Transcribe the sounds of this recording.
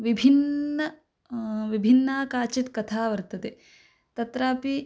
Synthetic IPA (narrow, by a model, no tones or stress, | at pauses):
ʋibʱinːɐ | ʋibʱinːaːkaːt͡ʃit̪kɐt̪ʰaːʋɐɾt̪ɐt̪e | t̪ɐt̪ɾaːpi